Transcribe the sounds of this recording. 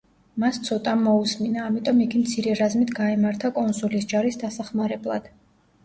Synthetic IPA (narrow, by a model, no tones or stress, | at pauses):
mast̪sʰɔt̪ʼamːɔusminaːmit̪ʼɔmiɡimt̪sʰiɾɛɾazmit̪ʰɡaɛmaɾt̪ʰakʼɔnsulisd͡ʒaɾisd̪asaχmaɾɛblˠa̰d̪̥